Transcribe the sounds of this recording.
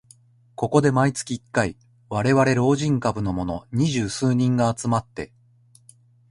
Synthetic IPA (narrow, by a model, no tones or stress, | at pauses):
ko̞ko̞d̪e̞mait͡sɨ̥kʲiːkːai | βaɾe̞βaɾe̞ɾo̞ːʑĩŋkabɯ̟no̞mo̞no̞̰ɲ̟iʑɨːsɨːɲ̟ĩŋɡaːt͡sɨmat̪ːe̞̰